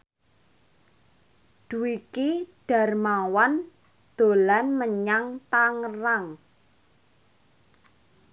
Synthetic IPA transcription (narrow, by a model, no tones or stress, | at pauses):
d̥uikiɖ̥a̤rmawan | d̪̥o̤lanməɲaŋt̪aŋəraŋ